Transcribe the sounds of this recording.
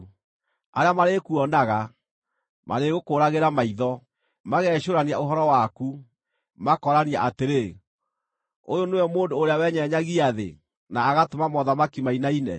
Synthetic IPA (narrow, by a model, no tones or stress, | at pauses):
a̰ɾeamaɾekuɔnaɣa | mʔa̰ɾeɣokoːɾaɣeɾamaiðɔ | maɣɛɕoɾaniaoɦɔɾɔwaku | makɔɾaniaʔateɾe | o̰joneɔmoːndoːɾeawɛɲɛɲaɣiaðḛ | naːɣatomamɔðamakimainainɛ̰